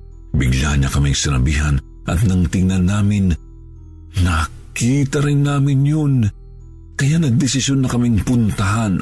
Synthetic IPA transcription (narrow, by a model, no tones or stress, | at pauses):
bɪɡla̰ɲɐkɐmiŋsɪnɐbiːɦɐn | ʔɐ̰t̪nɐŋt̪ɪŋnɐnːaːmɪn | ɐ | kiːt̪ɐɾɪnːaːmɪnjon | kɐjanɐɡ̚d̪ɪsɪsjonːɐkɐmɪŋpʊnt̪ɐɦan